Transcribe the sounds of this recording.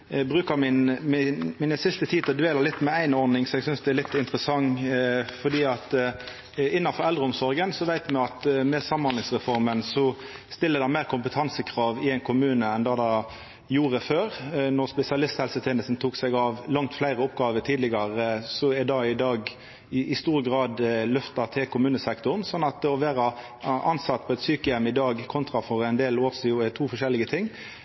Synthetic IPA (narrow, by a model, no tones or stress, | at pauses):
bʁʉːkəmɪnmɪmɪnəsɪst̪ət̪ʰiːd̪ɔd̪ʋeːlɑlɪt̪ːmɛæɪnɔɾnɪŋsɔmɛɡsʏnsd̪ɛælɪt̪ːɪnt̪ʁəsɑŋ | fɔd̪iːɑt̪ | ɪnːɑfɔɾɛld̪ɾʁəɔmsɔɾɡənsɔʋæɪt̪mɛɑt̪mɛsɑmːɑnlɪŋsʁɛfɔɾmənsɔst̪ɪlːəd̪æmæɪʁkʰʊmpət̪ʰɑnsəkʰʁɑːʋɪæɪnkʰʊmʉːnəɛnd̪ɑːd̪ɑ | juːʁəføːʁnɔʁspɛsɪɑlɪst̪hɛlsət̪ʰeːnəst̪n̩t̪ʰuːksɛɡɑʋlɑŋt̪flæɪɾəɔpɡɑːʋəʈ̪ʰiːd̪lɪɡɑʁəsɔɛd̪ɑɪd̪ɑːɡ | ʔɪst̪uːɾəɡʁɑːd̪lœft̪ɑt̪ʰɪlkʊmʉːnəsɛkt̪ʊʁnsɔnːɑt̪̚d̪ɛɔʋeːʁə | ʔɑnsɑt̪ːpʰɔɛt̪syːkəjɛmːɪd̪ɑːɡkʰɔnt̪ɾɑfɔɾɛɪnd̪eːloːʁsiːɛt̪ʰuːfɔʂɛlːɪɡət̪ʰɪŋː